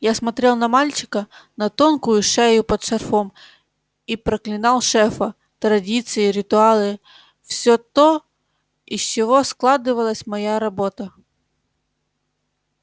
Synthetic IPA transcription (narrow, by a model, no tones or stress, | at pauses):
jasmɐt̪ɾʲelˠnɐmalʲt͡ɕɪ̥kənɐt̪onkʊjʊʂɛjʊpɐt̪ʂɐrfom | ipɾɐklʲɪnɑlˠʂɛfɐ | t̪ɾɐdʲit̪sɨɪɾʲɪt̪ʊalˠɨ | fsʲot̪o | isʲt͡ɕɪvosklˠad̪ɨvɐlˠəsʲmɐjaɾɐbot̪ɐ